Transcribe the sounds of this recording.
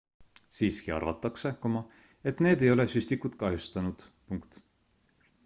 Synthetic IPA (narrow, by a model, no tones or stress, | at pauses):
siːskiɑ̰rvɑ̰t̪ːˑɑkse̞komɑ | e̞t̪ːne̞ːd̪e̞jo̞lesyst̪ikut̪kɑɦjust̪ɑnud̪̥puŋkt̪